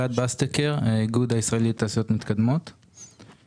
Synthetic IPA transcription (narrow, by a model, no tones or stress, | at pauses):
ad̪̚bast̪ekeʁɡud̪aisʁaelit̪ːaːsijo̞t̪mit̪kad̪mo̞t̪